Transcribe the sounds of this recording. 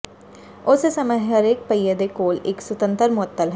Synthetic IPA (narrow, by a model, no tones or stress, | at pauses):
ʊsesɐməɦɦɐɾeːk̚pəjəd̪ekoːlɪkswʊt̪ə̃nt̪əɾmʊɦət̪ːəlɦɛː